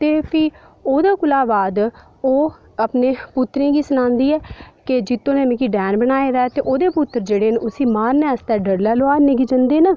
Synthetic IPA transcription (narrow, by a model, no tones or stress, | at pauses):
t̪eːpʰiː | oːd̪aːkʊlaːbaːd̪ | oː | əpneːpʊt̪ːɾẽːɡiːsʊnãːnd̪iːɛːkɪd͡ʒɪt̪ːõːnemẽːkiːɖɛːnbənaːeːɾɛːt̪eːʔoːd̪eːpʊt̪ːəɾd͡ʒeːɽeːnʊsiːmaːɾnɛːst̪ɛːɖəɾlɛːloaːɾneɡid͡ʒənd̪eːna